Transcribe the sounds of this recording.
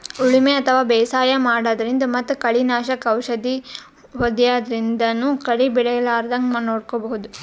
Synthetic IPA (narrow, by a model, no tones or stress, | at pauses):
uɭimeɐt̪ʰɐʋaːbɛːsaːjɐmaːɽaːd̪ɐɾind̪ɐmɐt̪ːukɐɭinaːʃɐkɐwʃɐd̪i | ɦod̪ijaːd̪ɐɾind̪ɐnukɐɭibiɽɐlaːɾd̪ɐŋɡmɐnoːɽkobɐɦud̪u